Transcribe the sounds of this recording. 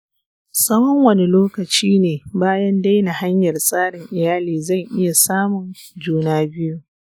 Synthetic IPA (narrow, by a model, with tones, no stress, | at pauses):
sɐ˦wɐ˦ŋwɐ˦ni˦loː˦kɐ˨t͡ʃiː˦neː˨baː˦jɐ˦nda˦jna˨ha˦ɲjɐ˨rsʼaː˦ɽɪ˨ŋʔɪ˨jaː˦liː˨zɐ˦˨ŋʔɪ˦ja˨saː˦mʊ˨nd͡ʒuː˦naː˦bɪ˦ju˦